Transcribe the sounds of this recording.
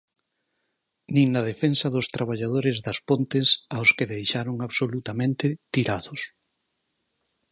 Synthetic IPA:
nĩŋnɐðefensɐðʊst̪ɾaβ̞aʎað̞oɾɪzðɐspont̪ɪsaʊskɪðejʃaɾoŋaβsolut̪amẽnt̪ɪt̪iɾaðʊs

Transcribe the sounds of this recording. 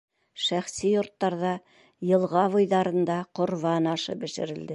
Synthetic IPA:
ʃæχsijŏɾt̪ːɑɾðɑ | jɤ̆lˠʁɑβɤ̆jðɑɾɤ̆nd̪ɑqŏɾβɑnɑʃɤ̰bɘ̆ʃɘ̆ɾɘ̆ld̪ɘ

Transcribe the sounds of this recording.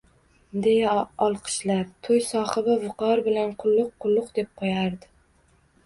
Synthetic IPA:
d̪e̞jaɒlˠqʰɨ̥ʃlaɾt̪ʰojsɒχɪbɪvʊqʰɒɾbɪlanqʰʊlˠːʊqʰːʊlˠːʊqd̪e̞p̚qʰojaɾd̪ɪ

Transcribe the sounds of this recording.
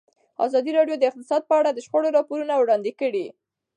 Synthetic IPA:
ɑ̰zɑd̪iɾɑɖjod̪əɪq̚t̪ɪsɑd̪̚pəaɽad̪əʃxoɽoɾɑpoɾunawɽɑnd̪ikəɽi

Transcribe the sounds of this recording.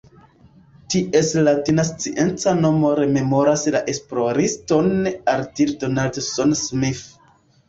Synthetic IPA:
tiʔe̞slatinast͡siʔe̞nt͡sano̞moɾe̞me̞mo̞ɾaslaʔe̞splo̞ɾisto̞naɾtiɾdonaldsonsmif

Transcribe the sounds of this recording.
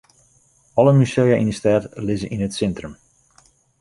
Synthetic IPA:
ɔləmysejaʔindəstɛːtlɪzəʔinətsɛntrəm

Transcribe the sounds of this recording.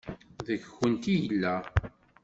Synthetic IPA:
ðəçxənt̪ijəlːæ

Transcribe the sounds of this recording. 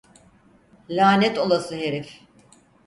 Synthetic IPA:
lʲaːnɛt̪o̞lˠasɯɦe̞ɾif

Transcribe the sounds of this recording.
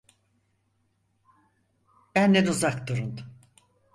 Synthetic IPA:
bænːɛnuzakd̪uɾund̪

